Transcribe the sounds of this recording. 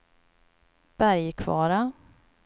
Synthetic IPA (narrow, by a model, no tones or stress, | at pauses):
b̥æɾjkʰvɑ̰ːɾa